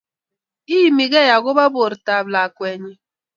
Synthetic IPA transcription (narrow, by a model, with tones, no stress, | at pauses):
iː˦mi˨ɡe˦˨ja˨ɡʊ˦ba˦bo˨ɾta˨bla˨kʷe˨ɲɪ˦